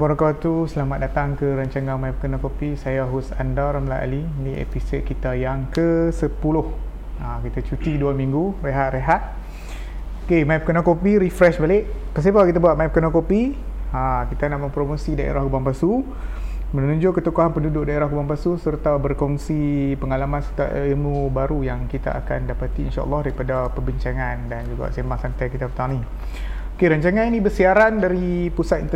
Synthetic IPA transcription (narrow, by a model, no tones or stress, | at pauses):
boɾakawt̪usəlamat̪̚dat̪aŋkəɾaɲt͡ʃaŋãŋmaip̚kənakopisajaɦusandaɾamlaʔa̰liniḛpisot̪̚kit̪ajaŋkəsəpulʊh | akit̪at͡ʃut̪iduamiŋɡureɦat̪ɾeɦat̪̚ | kemaip̚kənakopiɾifɾɛʃbaleʔpəs̬ipakit̪̬abuaʔ̪̚maip̚kənakopi | akit̪anaʔmə̃mpɾomosidaʔḛɾahkəbaŋpasu | mənnũɲd͡ʒʊʔkːət̪ukaɦanpəndudʊʔ̚daeɾahkəbambasusərt̪abərkɔŋsipəŋalamansət̪aʔemubaɾujaŋkit̪a̰a̰kandapat̪iḭnʃa̰ʔə̰lːɑhdaɾipadapəbiɲt͡ʃaŋãndand͡ʒuɡa̰ʔsemaŋsant̪ajkit̪apət̪aŋnĩ | okeɾaɲt͡ʃaŋaninĩbərsiaɾandaɾipusat̪int̪ə